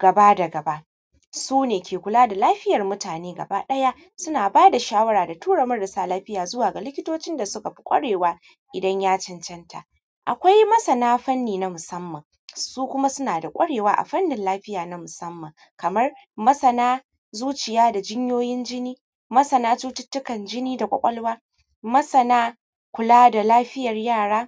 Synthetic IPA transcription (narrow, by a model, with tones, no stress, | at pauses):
ɡ̥ɐ˨ba˦dɐ˨ɡɐ˨ba˦ʔ | suː˦neː˨kʲʰeː˨kʷʊ˨laː˦da˨laː˦ɸɪ˦jɐ˨rmʊ˦taː˨neː˦ɡɐ̰˨baː˦ɗɐ˦ja˦ʔ | sʊ˦naː˨baː˦da˨ʃaː˦wɐ˦ɽaː˨da˨tuː˦ɽɐ˨mɐ˦rdɐ˨saː˦laː˦ɸɪ˦jaː˨zʊ˦waː˨ɡa˨lɪ˦kʲɪ˦toː˦t͡ʃɪ˦nda˨sʊ˦ka˨ɸi̥˦kʷʼɐ̰˦ɽeː˨waː˦ | ʔɪ˨dɐ˦ɲjaː˦t͡ʃɪ˦nt͡ʃɐ˦nta̰˨ | ʔa̰˨kʷa˦jmɐ˦sɐ˨naː˦ɸɐ˦nːiː˨na˦mʊ˨sɐ˦mːɐ˨ŋ | suː˦kʷʊ˦ma˦sʊ˦naː˨da˨kʷʼɐ˦ɽeː˨waː˦ʔa̰˨ɸɐ˦nːɪ˨nlaː˦ɸɪ˦jaː˨na˦mʊ˨sɐ˦mːɐ˨ŋ | kɐ˨mɐ˦r | mɐ˦sɐ˨naː˦ | zuː˦t͡ʃɪ˨jaː˦da˨d͡ʒɪ˦ɲjoː˦jɪ˦nd͡ʒɪ˦niː˦ | mɐ˦sɐ˨naː˦t͡ʃuː˦tʊ˦tːʊ˦kɐ˨nd͡ʒɪ˦niː˦da˨kʷʼɐ̰˨kʷʼɔ˦lwaː˦ | mɐ˦sɐ˨naː˦ | kʷʊ˨laː˦da˨laː˦ɸɪ˦jɐ˨rjaː˦˨ɽaː˦